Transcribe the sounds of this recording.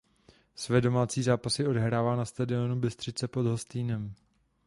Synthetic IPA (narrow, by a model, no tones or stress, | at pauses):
svɛːdo̞maːt͡siːzaːpasɪo̞dɛɦɾaːvaːnast̪adɪo̞nubɪst̪r̝̥ɪt͡sɛpo̞d̪ɦost̪iːnɛm